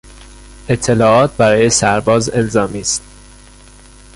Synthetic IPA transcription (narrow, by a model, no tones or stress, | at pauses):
e̞t̪ʰːe̞lɒːɒːt̪̚bæɾɒːjesæɾbɒːze̞lzɒːmiːst̪